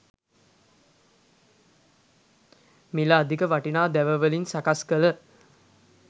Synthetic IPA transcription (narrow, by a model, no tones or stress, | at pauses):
milaːd̪ikəʋaʈinaːd̪æʋəʋəlinsakaskələ